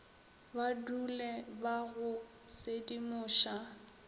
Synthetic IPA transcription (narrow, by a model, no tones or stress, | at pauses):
badulɛbaɣʊ | sedimʊːʃa